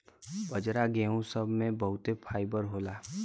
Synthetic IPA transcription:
bəd͡ʒɾaɡeːũsəbʱmẽbɐɦʊt̪epʰaːɪbəɾɦoːlaː

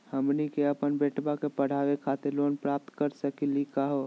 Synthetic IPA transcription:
həmnikeəpənbeːʈbakepəɽ̤aːʋekʰaːt̪eɾloːnpɾaːp̚t̪kəɾsəkilikaɦo

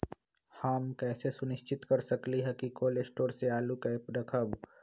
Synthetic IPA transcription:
haːmkɛːsesʊnɪʃt͡ʃɪt̪kɐɾsɐkliɦɛkikoːlesʈoːɾseaːlukɛːpɾɐkʰəb

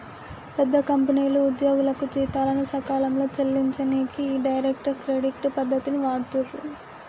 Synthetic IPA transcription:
pɛd̪ːɐkɐmpɐniːluud̪jo̞ːɡulɐkut͡ʃiːt̪aːlɐnusɐkaːlɐmlo̞ːt͡ʃɐlːiɲt͡ʃɐneːkiːɖɐjɾek̚ʈɐɾkɾeːɖiʈːpɐd̪ʱːɐt̪iniʋaːɽut̪uɾu

